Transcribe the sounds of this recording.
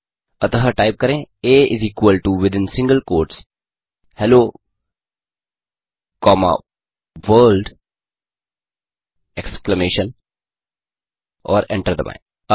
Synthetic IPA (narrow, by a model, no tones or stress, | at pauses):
ɐt̪əɦəʈaɪp̚kɐɾẽeːɪziːkʋəlʈuʋɪd̪ɪ̃nsɪ̃ŋɡəlkoːɾʈs | hɛloː | kɔːma̰ | ʋəːlɖ | ɛkskləmeːʃə̃n | ɔːɾɛ̰̃ɳʈəɾd̪əmã̰ɪ̃